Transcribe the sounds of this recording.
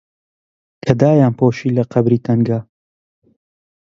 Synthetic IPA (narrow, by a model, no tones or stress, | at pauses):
kʰɐd̪aːjaːnpoːʃiːlɐqʰɐbɾiːt̪ʰɐŋɡa